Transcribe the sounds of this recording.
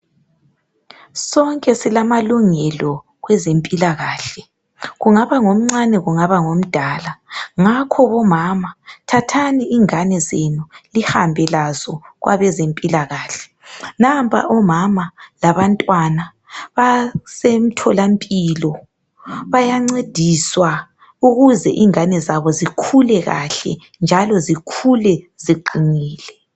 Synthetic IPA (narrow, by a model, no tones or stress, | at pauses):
sɔŋkʼɛsilamaluŋɛlɔ | ɣwɛzempʼilaɣaːɬɛ | ɣuŋaβaŋom̩ŋ͡ǀanɛɣuŋaβaŋom̩d̥ʱaːlaŋakʰɔβɔmamatʰatʰaniːŋanɛzenulihambʱɛlazɔɣwa̰βɛzempʼilaɣaːɬɛ̥ | nampʰa̰ʔɔmamalaβantʼwana | βasem̩tʰɔlampʼilɔ | βajaŋ͡ǀed̥ʱiswa | uɣuzɛ̰ʔiŋanɛzaβɔzikʰulɛɣa̰ɬɛ̰ | nd͡ʒʱalɔzikʰulɛ | ziǃiŋiːlɛ